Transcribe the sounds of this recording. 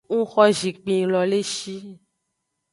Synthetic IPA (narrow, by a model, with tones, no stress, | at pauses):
ŋũ˦xɔ˦ʒi˨k͡pĩ˨lɔ˨le˦ʃi˦